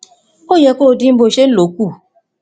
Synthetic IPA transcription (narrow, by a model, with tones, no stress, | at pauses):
o˦jɛ˧˦ko˦˧dĩ˦m̩˦bo˧˨ʃe˦n̩˦lo˨˦ku˦˨